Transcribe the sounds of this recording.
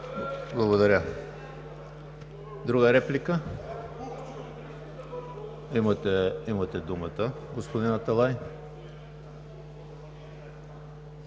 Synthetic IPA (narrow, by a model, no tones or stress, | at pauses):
blˠɐɡod̪ɐɾʲə | d̪ɾuɡəɾɛplʲikə | imət̪ɛimɐt̪ɛd̪umət̪ə | ɡospod̪inɐt̪alˠaj